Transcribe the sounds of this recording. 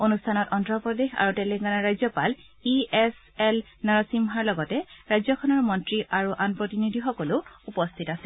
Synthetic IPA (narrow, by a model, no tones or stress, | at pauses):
onustʰanɔtɔntɹɔpɹɔdexa̰ɹutɛleŋɡanaɹajzɔpal | iɛs | ɛl | naɹɔsimɦaɹlɔɡɔtɛɹajzɔkʰɔnɔɹmɔntɹiʔaɹuʔanpɹɔtinidʱixɔkɔlʊupɔstʰitasɛ